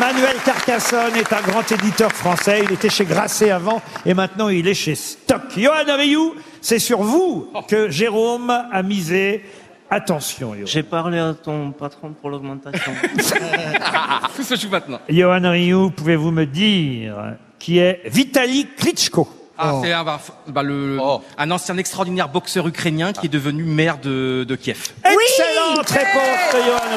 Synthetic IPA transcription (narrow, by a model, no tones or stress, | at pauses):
manɥɛlkaʁkasɔnɛt̪ɛ̃ɡʁɑ̃t̪ed̪it̪œʁfχɑ̃sɛilet̪ɛʃeɡʁaseavɑ̃emɛ̃t̪nɑ̃ilɛʃest̪ɔkjɔanʁiju | sɛsyʁvukəʒeʁomamize | at̪ɑ̃sjɔ̰̃ʒepaʁleat̪ɔ̃pat̪χɔ̃puʁlɔɡmɑ̃t̪asjɔ̃ | t̪usəʒumɛ̃t̪̚nɑ̃jɔanʁiupuvevuməd̪iʁ | kʲʰiɛvit̪aliklit͡ʃko | sɛɛ̃afbaləɛ̃nɑ̃sɛjɛ̃nɛkst̪χɔʁd̪inɛʁbɔksœʁykχenjɛ̃kʲiɛd̪əvənymɛʁd̪əd̪əkʲjɛfɛwkselɑ̃t̪ʁepɔ̃sd̪əjɔan